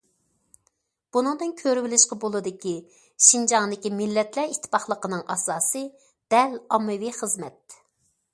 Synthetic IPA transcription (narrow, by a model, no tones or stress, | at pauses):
b̥unɨŋd̪ɨnkʲʰøɾywɪlɪʃqɑbolˠɨd̪ɪkʲi | ʃind͡ʒɑŋd̪ɪkʲimɪlːɛt̪læɾit̪ʰːɪ̥pɑχlˠəqənɨŋʔɑsɑːsɨ | d̪̥ɛlɑmːɨwiχəzmɛt̪̚